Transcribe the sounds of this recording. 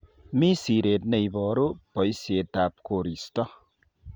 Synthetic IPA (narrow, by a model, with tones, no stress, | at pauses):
mi˦siɾet̪̚ne˨jbɔɾo˦pʌ˨jse˨t̪apkoɾist̪ɔ˦